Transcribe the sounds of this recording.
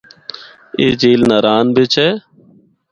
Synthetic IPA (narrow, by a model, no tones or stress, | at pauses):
ḛːd͡ʒeːlnaːɾaːnbɪt͡ʃʰɛː